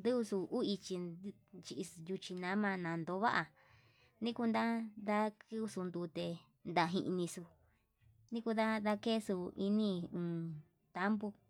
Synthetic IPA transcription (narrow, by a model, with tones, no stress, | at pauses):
nd̪ɨ˦u˧su˧u˦i˧t͡ʃi˧˦ | t͡ʃi˧i˧ju˧t͡ʃi˧nã˨˦mã˧nã˨˧nd̪o˧˦βa˦ʔa˧ | nĩ˦ku˧nd̪a˦d̪a˦kʰɨ˦u˧su˧nd̪u˧t̪e˧ | nd̪a˧ɦĩ˧ʔnĩ˧su˧ | nĩ˦ku˧ða˦ða˧ke˦su˧i˧nĩː˦˧˨ | t̪a˦mbu˧